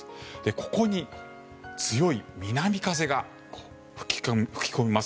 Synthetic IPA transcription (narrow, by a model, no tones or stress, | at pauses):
d̪e̞ko̞̥ko̞ɲ̟i | t͡sɨjo̞imʲinamʲikaz̬e̞ɡa | ko̥ː | ɸɯ̥kʲi̥kɸɯ̥kʲi̥ko̞mʲimas